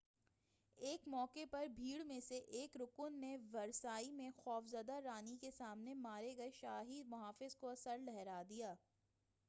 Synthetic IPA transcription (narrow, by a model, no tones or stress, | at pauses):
eːkmɔːkepɐɾbʱiːɽmẽseʔeːkɾʊkʊnːeʋɐɾsaːimẽxɔːfzɐd̪aɾaːnikesaːmnemaːɾeɡɐeʃaːɦimʊɦaːfɪzkoɐsəɾlɛɦɛɾaːd̪ijaː